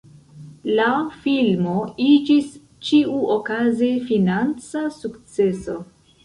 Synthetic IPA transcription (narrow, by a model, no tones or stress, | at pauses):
lafilmo̞id͡ʒis | t͡ʃiuʔokazefinant͡sasukt͡se̞so̞